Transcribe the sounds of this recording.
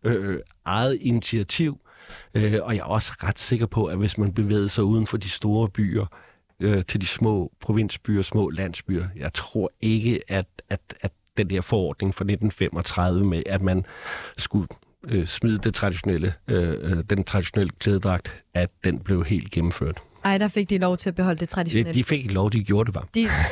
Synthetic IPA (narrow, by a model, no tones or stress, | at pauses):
ø | ʔɑ̈ɪð̩ˠinit͡sʰiæt͡sʰiʊ̰ | øɒ̽jɑ̈ɒ̽sə̥ʁad̥se̝ɡ̥ɐpʰɒ̽ʔæʋe̝smænb̥e̝ʋḛːð̩ˠəsɑ̈ɪuːð̞ˠn̩fɒ̽d̥isd̥o̝ːɐb̥y̰ːɐ | øt͡sʰe̝ld̥ismɔ̰̽ːpʰʁo̝ʋe̝n̰sb̥y̰ːɐsmɔ̰̽ːlæn̰sb̥y̰ːɐjɑ̈ɪt͡sʰʁo̝ɐ̰e̝ɡ̥əæ̥æ̥æ | d̥endeɐfɒɒ̰ːd̥ne̝ŋfɑ̈ne̝d̥n̩fem̰ɒ̽t͡sʰʁað̞ˠʋəmeʔæ̥mænsɡ̥u | øsmið̞ˠəd̥et͡sʰʁɑ̈d̥iɕo̝nel̰ə | d̥ent͡sʰʁɑ̈d̥iɕo̝nel̰əkʰleːð̞ˠəd̥ʁɑ̈ɡ̥̚d̥æd̥enb̥le̝ʊɦe̝̰ːld̥̚ɡ̥em̩fø̰ɐ̰d̥ | ɑ̈ɪd̥ɑfe̝ɡ̥̚d̥ilɒʊt͡sʰe̝æb̥eɦɒ̽l̰əd̥e̝t͡sʰʁɑ̈d̥id̥ife̝ɡ̥eɡ̥lɒʊd̥iɡ̥jo̝ːɐd̥e̝ʋɑ̥̈i